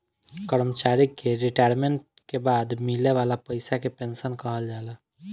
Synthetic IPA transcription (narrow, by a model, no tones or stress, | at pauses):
kəɾmət͡ʃaɾikːeɾiʈajɾmeɳʈ̚ | kebad̪mileʋalapəɪsakepensənkəɦəld͡ʒalə